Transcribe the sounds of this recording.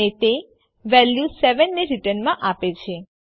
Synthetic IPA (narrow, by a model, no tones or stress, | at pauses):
et̪e | ʋɛljusɛʋənːeɾiʈənmãʔapet͡ʃʰe